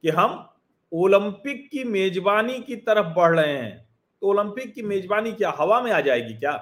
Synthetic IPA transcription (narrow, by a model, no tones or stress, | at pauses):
kiɦɐm | oːlə̃mpɪkːimeːd͡ʒbaːnikit̪ɐɾəfbɐɽ̤ɽəɦẽɦɛ̰̃ː | t̪ooːlə̃mpɪkːimeːd͡ʒbaːnikjaːɦɐʋamẽaːd͡ʒaːeːɡikjaː